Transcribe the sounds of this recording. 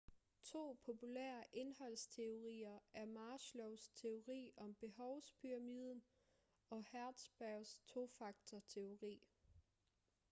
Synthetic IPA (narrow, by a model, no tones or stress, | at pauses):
t͡sʰo̝̰ːpʰopʰulḛːɐʔe̝nhɒ̽l̰st͡sʰe̝o̝ʁḭːɐæɐmɑːɕlɔʊst͡sʰe̝o̝ʁḭːɒ̽mb̥e̝ɦɒʊspʰyʁɑ̈mið̞ˠn̩ | ɒ̽hæɐd̥sb̥æʊst͡sʰo̝fɑ̈ɡ̥̚t͡sʰɐt͡sʰe̝o̝ʁḭː